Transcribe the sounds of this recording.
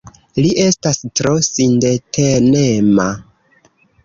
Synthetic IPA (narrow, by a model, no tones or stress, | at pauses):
liʔe̞stastɾo̞sindetʰenema